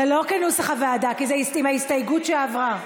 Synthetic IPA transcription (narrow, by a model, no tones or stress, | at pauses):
elo̞kenusaχavead̪akizeisimhaistajɡutʃeavʁa